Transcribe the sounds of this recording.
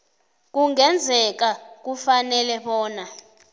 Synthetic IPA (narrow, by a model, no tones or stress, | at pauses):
k̬uŋɛnd͡zʱɛk̬ak̬ufanɛlɛɓɔːna